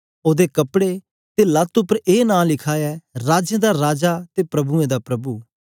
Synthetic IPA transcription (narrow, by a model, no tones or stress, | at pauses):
oːd̪eːkəpɽe | t̪eːlɐt̪ʊpəɾeːnãːlɪkʰaːɛːɾaːd͡ʒẽːd̪aːɾaːd͡ʒaːt̪eːpɾəbuẽːd̪aːpɾɐbuː